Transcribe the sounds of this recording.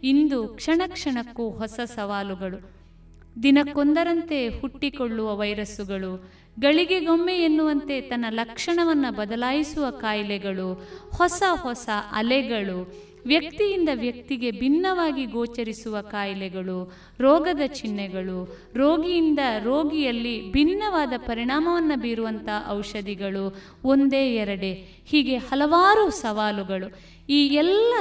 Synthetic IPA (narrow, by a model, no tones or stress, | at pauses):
ind̪ukʂɐɳɐkʂɐɳɐkːuɦɔsɐsɐʋaːluɡɐɭu | d̪inɐkːond̪ɐɾɐnt̪e̞huʈːikoɭːuʋɐʋɐjɾɐsuɡɐɭu | ɡɐɭiɡe̞ɡomːeenːuʋɐnt̪e̞t̪ɐnːɐlɐkʂɐɳɐʋɐnːɐbɐd̪ɐlaːjisuʋɐkaːjlɛɡɐɭuhɔsɐhɔsɐʔɐlɛɡɐɭu | ʋjɐk̚t̪ijind̪ɐʋjɐk̚t̪iɡe̞bʱinːɐʋaːɡiɡoːt͡ʃɐɾisuʋɐkaːjlɛɡɐɭu | ɾɔːɡɐd̪ɐt͡ʃinːɛɡɐɭu | ɾoːɡijind̪ɐɾoːɡijɐlːibʱinːɐʋaːd̪ɐpɐɾiɳaːmɐʋɐnːɐbiːɾuʋɐnt̪ʰɐʔɐwʂɐd̪iɡɐɭu | ond̪e̞ːɛɾɐɽe | hiːɡe̞hɐlɐʋaːɾusɐʋaːluɡɐɭu | iːɛlːɐ